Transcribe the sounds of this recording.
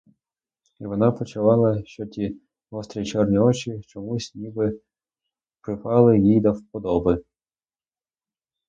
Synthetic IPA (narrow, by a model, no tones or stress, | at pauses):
iʋɔnɑpɔt͡ʃʊʋɑlˠɐʃt͡ʃɔtʲi | ɔst̪ɾʲit͡ʃɔrnʲiɔt͡ʃit͡ʃɔmusʲnʲibɪ | pɾɪpɑlˠɪjijd̪ɐwpɔd̪ɔbɨ